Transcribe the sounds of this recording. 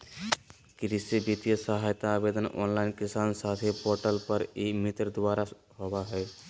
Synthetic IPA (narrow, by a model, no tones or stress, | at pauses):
kɾisibit̪ijəsəɦajt̪aːbed̪ənɔ̰nlaɪnkisansat̪ʰepoɾʈəlpəɾimit̪ɾd̪waɾa | hɔbaɦɛj